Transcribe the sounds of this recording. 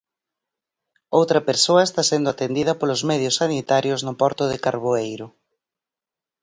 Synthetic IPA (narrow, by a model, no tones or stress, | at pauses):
owt̪ɾɐpeɾsoɐest̪asend̪ʊat̪end̪iðɐpolʊzmɛð̞jʊsanit̪aɾjoznʊpɔɾt̪ʊðɪkaɾβoejɾʊ